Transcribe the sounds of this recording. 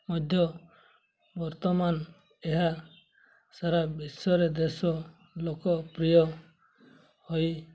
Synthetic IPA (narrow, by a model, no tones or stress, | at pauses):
mɔd̪ʱjɔ | bɔɾt̪ɔman | eɦa | saɾabisɔɾed̪esɔ | lokɔpɾijɔ | hoj